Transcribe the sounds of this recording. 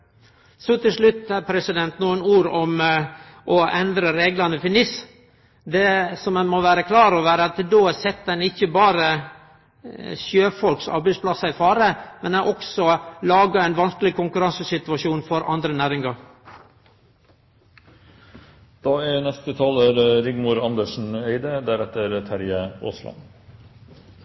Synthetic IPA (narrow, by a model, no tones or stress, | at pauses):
sɔt̪ʰɪlʂɭʉt̪ːæpʰɾɛsɪd̪ɛnt̪nuːənuːɾɔm | ʔɔʔɛnd̪ɾəɾeːɡlɑnəfɪnɪs | d̪ɛsɔmɛnmɔʋæːɾəkʰlɑːɾɔʋæːɾəɑt̪d̪oːsɛt̪ːd̪ɛnɪçːəbɑːɾə | sjøːfɔlksɑ̰ɾbæɪspʰlɑsɑɪfɑːɾəmɛnɛʔɔksɔlɑːɡɑɛɪnʋɑnskəlɪkʰʊŋkʉɾɑnsəsɪt̪ʉɑʂjuːnfɔɾʔɑ̰nd̪ɾənæːɾɪŋɑɾ | d̪̥ɑːɛnɛst̪ət̪ʰɑːləɾɾɪɡmʊɾɑnd̪əʂɳ̩eɪd̪əd̪æɾɛt̪ːəɾt̪ʰæɾjəo̰ːslɑ̰n